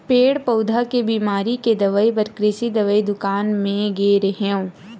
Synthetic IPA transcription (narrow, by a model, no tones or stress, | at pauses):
peːɽpɐʊd̪ʱakebiːmaːɾiked̪ɐʋəipɐɾkɾɪsid̪ɐʋəid̪ʊkaːnmẽɡeɾəɦeõː